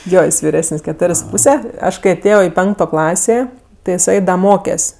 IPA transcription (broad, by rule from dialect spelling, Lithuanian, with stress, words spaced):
ˈjoː ˈjɪs ʋʲɪˈrʲæːsənʲsʲ kʲɛˈtoːrʲeːsʲ sʊ ˈpuːsʲɛ ˈɐʃ kɐɪ ɐˈtʲeːjoː ɪ ˈpʲɛŋktoː ˈklˠɑːsʲeː tʲɪ jɪˈsɐɪ ˈdɐ ˈmoːkʲɛsʲ